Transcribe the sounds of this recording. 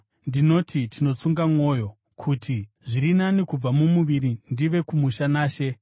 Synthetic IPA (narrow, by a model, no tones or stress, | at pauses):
ndino̞tʰitʰino̞t͡suŋɡamŋo̞ːjo̞ | kʰutʰi | ʐirinanikub͡vamumuʋiɾindiʋe̞kumuʃanaːʃe̞